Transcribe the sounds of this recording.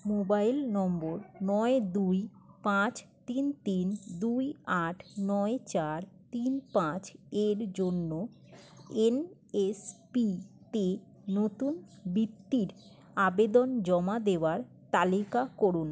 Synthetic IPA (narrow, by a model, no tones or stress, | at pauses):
mobajlnɔmboɾnɔed̪uj | pãt͡ɕt̪int̪ind̪ujaʈʰnɔet͡ɕaɾt̪inpãt͡ɕeɾd͡ʑonːo | enespi | te | not̪un | bit̪ːiɾ | abed̪ond͡ʑɔmad̪eoaɾ | t̪alikakɔɾun